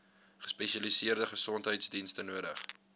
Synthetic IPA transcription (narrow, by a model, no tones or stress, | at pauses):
χə̥spɛʃɐlisiərdəχəsɔntɦəjtsdinstənuəɾəχ